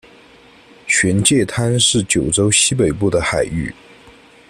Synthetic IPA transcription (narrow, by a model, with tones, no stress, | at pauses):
ɕɥɛ˧˥nt͡ɕjɛ˥˩t̪ʰa˥nʂɻ̩˥˩t͡ɕjo˨˩ʊʈ͡ʂo˥ʊɕi˥pe˨˩ɪpu˥˩d̪ə˩xa˨˩ɪy˥˩